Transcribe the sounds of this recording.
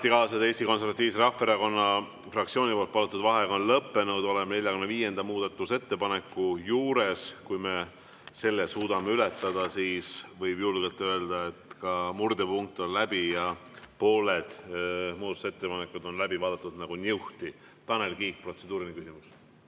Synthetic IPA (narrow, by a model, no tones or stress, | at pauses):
t̪ikɑːsɑd̪e̞ːst̪iko̞ns̬ervɑt̪ːˑiːvs̬eɾɑfːeɾɑko̞nːɑ | frɑkt̪sioːnʲipo̞ːlt̪pɑlut̪ːˑud̪vɑɦe̞ɡɑonlɤpːe̞nud̪o̞le̞mne̞lʲjɑkunːeviːje̞nd̪̥ɑmuːd̪ɑt̪ːˑuse̞t̪ːe̞pɑne̞kːˑujuːɾe̞skujme̞ | se̞lːesuːd̪̥ɑmeylet̪ːˑɑd̪̥ɑsiːsvɤjb̥julɡelt̪ːˑø̞eld̪̥ɑe̞t̪kɑmurd̪̥epuŋk̚t̪o̞nlæb̥ijɑpo̞ːle̞d̪̥muːd̪ɑt̪u̥se̞t̪ːepɑne̞kːˑud̪o̞nlæbivɑːd̪ɑt̪ːˑud̪̥nɑɡ̥unʲewht̪i | t̪ɑnelkiːk̚pro̞t̪se̞d̪̥uːɾinikysimus